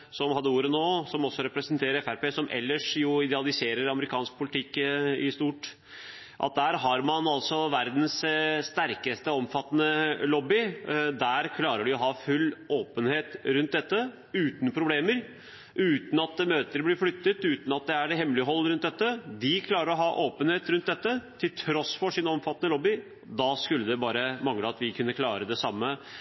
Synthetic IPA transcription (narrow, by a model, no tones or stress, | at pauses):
sɔmhɑd̪ːəuːɾənoːsɔmɔsːɔɾɛpɾəsənt̪ʰeːɾəɾɛfæɾpeːsɔmʔɛ̰lːəʂjʊɪd̪ɛɑlɪseːɾəɾɑməɾɪkʰɑːnsk̚pʰʊlɪt̪ʰɪkːɪst̪uːʈ | ʔɑ̰t̪̚d̪æːɾɦɑɾmɑnɑlsɔʋæɾd̪n̩sst̪æɾkəst̪əɔmfɑt̪ːənəlɔbːɪd̪æɾkʰlɑːɾəɖɪɔɦɑfʉlːoːpənheːt̪ɾʉnt̪̚d̪ɛt̪ːə | ʉːt̪n̩pʰɾʊbleːməɾ | ʔʉːt̪n̩ɑt̪møːt̪əɾblɪɾflʏt̪ːət̪ʉːt̪n̩ɑt̪̚d̪ɛæɖɛhɛmlɪəɦɔlːɾʉnd̪ɛt̪ːəd̪ɪkʰlɑːɾəɾɔɦɑʔoːpənheːt̪ɾʉnt̪̚d̪ɛt̪ːət̪ʰɪlt̪ʰɾɔsːfɔʂɪnɔmfɑt̪ːənəlɔbːɪ | d̪ɑskʉlːəd̪ɛbɑːɾəmɑŋləɑt̪ʋɪkʰʉnːəkʰlɑːɾəd̪ɛsɑmːə